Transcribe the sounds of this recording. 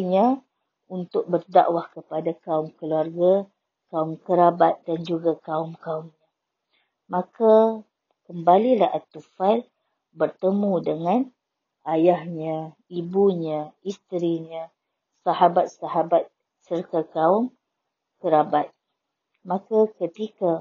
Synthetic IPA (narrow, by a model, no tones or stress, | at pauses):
ɲə̃ | unt̪ʊk̚bərda̰ʔwahkəpadakaʊmkəluarɡa | kaʊmkəɾabat̪̚dand͡ʒuɡakaʊmkaʊmɲã | mãka | kəmbalilahat̪ufal | bərt̪əmũdəŋãn | ajahɲã | ibuɲãist̪ɾiɲã | saɦabat̪̚saɦabat̪̚ | sərt̪akaʊm | kəɾabat̪̚ | mãkakət̪ika